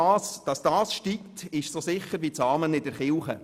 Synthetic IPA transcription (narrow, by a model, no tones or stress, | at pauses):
sd̥ɑsd̥ɑːsʃtiktɪʃsosɪχəɾvit͡sɑːmənɪdɛɾχɪlχə̰